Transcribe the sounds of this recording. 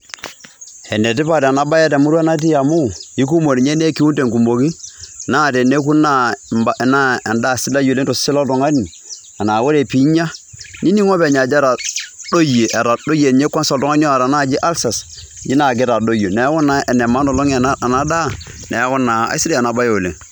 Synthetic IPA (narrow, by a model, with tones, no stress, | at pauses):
ɛ˨ne˨ti˦pa˦˨da˨na˦ba˦je˦ta˨mu˦ɾu˦a˦na˦t̬i˦ja˨mu˦i˦ku˦mo˨ni˨ɲe˦ne˦ki˦u˦te˨ŋku˨mo˨ki˦na˦˨tɛ˨ne˦ku˦na˦˨ba˦˨na˦a˨nda˦˨si˦la˦ju˨le˦to˨si˦la˦tɔ˨ŋa˦ni˨ | a˨na˨wo˦ɾe˨pi˨˦ɲa˦ | ni˦ni˦ŋo˦pɛ˨ɲa˨d͡ʒa˦ɾa˨do˦je˨ʔa˨ɾa˨do˦je˨ɲe˦kʷːa˦sa˨tɔ˦ŋa˦ni˦o˦a˨ɾa˨na˦˨d͡ʒi˦ʔa˦lsa˨s | d͡ʒi˦na˨k̬ɪ˦ta˨do˦jo˨nɛ˨˦kɔ˦na˨˦ɛ˨nɛ˨ma˦nɔ˨lo˦ŋ˨˦a˨na˦da˦ne˨ja˦kɔ˦na˨a̰˦si˦di˦a˨na˨ba˦jo˨lḛ˨ŋ